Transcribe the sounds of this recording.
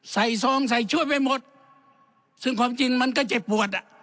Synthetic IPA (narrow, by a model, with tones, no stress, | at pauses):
sa˨˩jsɔː˧˦ŋs̬a˨˩jt͡ɕʰu˧˥˨əjpa˧˨jmo˨˧˦t̪̚ | sɯ˧˩ŋkʰwaː˧˥mt͡ɕi˧˩ŋma˧˥˨nka˧˥˩t͡ɕe˨˧˩p̚ːu˨˩ət̪̚la˧